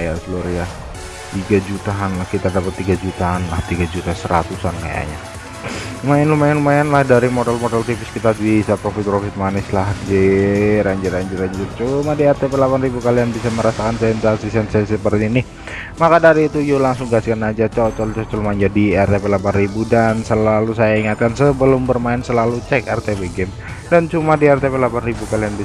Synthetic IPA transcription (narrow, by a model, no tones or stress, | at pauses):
ajasəluɾja | t̪iɡad͡ʒut̪aɦanlahkit̪adapət̪ːiɡad͡ʒut̪aɦanlaht̪iɡad͡ʒut̪asəɾa̰t̪usanka̰ja̰ɲa̰ | lumajanlumjanlumajanlahdaɾimodɛlmodɛlt̪ifɪskit̪adwisapɾofit̪ɔɾofɪt̪̚manɪslahdiɾaɲd͡ʒʊraɲd͡ʒʊɾaɲd͡ʒʊrt͡ʃumadiɛrt̪epɛlapanribukalianbisaməɾasakansɛnsasisɛnsɛsəpərt̪inɪh | makadaɾiːt̪ujolaŋsʊŋɡaskanad͡ʒat͡ʃɔt͡ʃɔlt͡ʃɔt͡ʃɔlmaɲd͡ʒadiɛrt̪epɛlapanribudansəlalusajaiŋat̪̚kansəbəlʊmbərmaɪnsəlalut͡ʃɛkɛrt̪ebeɡɛm | dant͡ʃumadiɛrt̪epɛlapanribukalianbi